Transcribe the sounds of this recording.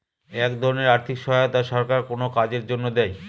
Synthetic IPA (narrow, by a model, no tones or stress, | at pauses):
ɛkd̪ʱɔɾoneɾaɾt̪ʰikʃɔɦot̪aʃɔɾkaɾkonokad͡ʑeɾd͡ʑonːod̪ɛj